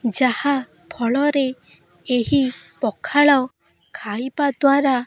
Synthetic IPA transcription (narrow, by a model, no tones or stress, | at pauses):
d͡ʒaha | pʰɔɭɔɾe | eɦipɔkʰaɭɔ | kʰajbad̪waɾa